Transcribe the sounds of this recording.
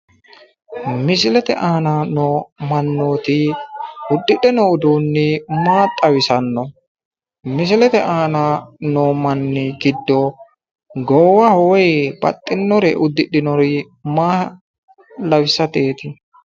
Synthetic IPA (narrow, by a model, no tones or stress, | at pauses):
mɪs̬ɪlɛt̪ɛʔaːnanoːmɐnːoːt̪ɪʔʊd̪ːɪɗɛnɔʊd̪uːnːɪmaːt̪ʼːɐwɪsɐnːɔ | mɪs̬ɪlɛt̪ɛʔaːnanoːmɐnːɪɡɪd̪ːɔ | ɡɔwɐhɔjb̥ɐ̰t̪ʼːɪnːɔɾɛʔʊd̪ːɪɗɪnɔɾɪ | maː | lɐwɪsɐt̪e̞ːt̪ɪ